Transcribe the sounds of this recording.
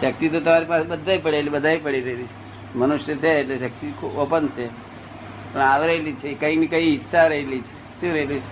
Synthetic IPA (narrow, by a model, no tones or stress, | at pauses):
ʃək̚t̪it̪ot̪əmaɾipasebəd̪ʱajpəɽelibəd̪ʱajpəɽiɾəɦelit͡ʃʰe | mənuʃjət͡ʃʰeːʈleʃək̚t̪ikʰubopənt͡ʃʰe | pəɳaʋɾəɦelit͡ʃʰekəinikəiːt̪ːʃaɾəɦelit͡ʃʰe | ʃũɾəɦelit͡ʃʰe